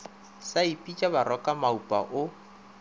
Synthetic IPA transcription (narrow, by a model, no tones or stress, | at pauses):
saipʼit͡ʃʼabaɾɔkʼamaupʼa̰ʔʊ